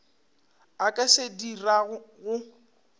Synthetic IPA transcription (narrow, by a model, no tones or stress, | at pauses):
akʼasediraɣʊɣʊ